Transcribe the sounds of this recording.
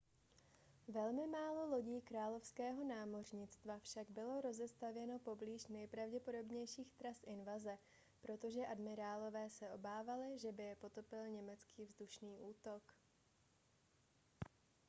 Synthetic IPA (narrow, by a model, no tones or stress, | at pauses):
vɛlmɪmaːlo̞lo̞ɟiːkɾaːlo̞fskɛːɦo̞naːmo̞rɲɪt͡st̪vafʃaɡbɪlo̞ɾo̞zɛst̪avjɛno̞po̞bliːʃnɛjpɾavɟɛpo̞do̞bɲɛjʃiːxt̪ɾasʔɪnvazɛ | pɾo̞t̪o̞ʒɛʔadmɪɾaːlo̞vɛːsɛʔo̞baːvalɪʒɛbɪjɛpo̞t̪o̞pɪlɲɛmɛt͡skiːvzduʃniːʔuːt̪o̞k